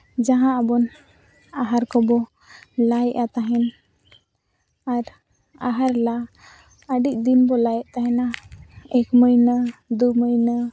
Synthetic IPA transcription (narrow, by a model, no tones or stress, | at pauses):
d͡ʒaɦãʔabɔn | aɦaɾkɔbɔ | lajʔat̪aɦɛn | aɾ | aɦaɾla | əɖic̚d̪inbɔlajɛʔt̪aɦɛnaɛkməjnəd̪uməjnə